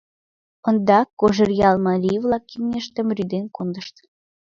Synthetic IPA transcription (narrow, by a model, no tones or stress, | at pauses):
ə̆nd̪ɑkːoʒərjɑlmɑlʲivlɑkːimnʲeʃt̪ə̆mryd̪enkond̪ə̆ʃt̪